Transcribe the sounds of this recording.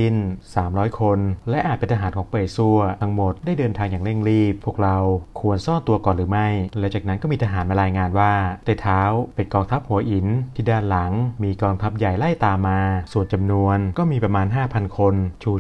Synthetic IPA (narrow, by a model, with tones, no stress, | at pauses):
i˥˩nsaː˩˦mɾɔː˦˥jkʰo˧nlɛ˦˥ʔaː˨˩t̪̚pe˧nt̪ʰa˧ɦaː˩˦nkʰɔː˩˦ŋpɤː˨˩jsu˥˩ɐt̪ʰa˦˥ŋmo˨˩t̪̚daː˥˩jdɤː˧nt̪ʰaː˧ŋjaː˨˩ŋle˥˩ŋɾiː˥˩p̚ʰːu˥˩ək̚ɾa˧wkʰu˧ənsɔː˥˩nt̪u˧ɐkɔː˨˩nɾɯː˩˦ma˥˩jlɛ˦˥wt͡ɕaː˨˩na˦˥nkɔː˥˩miː˧t̪ʰa˧ɦaː˩˦nma˧jɾaː˧jŋaː˧nwaː˥˩t̪ɛ˧˩t̪ʰaː˦˥wpe˧nkɔː˧ŋt̪ʰa˦˥p̚hu˨˩˦ɐʔi˨˩˦nt̪ʰiː˥˩daː˥˩nla˩˦ŋmiː˧kɔː˧ŋt̪ʰa˦˥p̚ja˨˩jla˥˩jt̪aː˧mːaː˧su˨˩ənt͡ɕa˧mnu˧ənkɔː˥˩miː˧pɾa˧maː˧nɦaː˥˩pʰa˧nkʰo˧nt͡ɕʰuː˧˩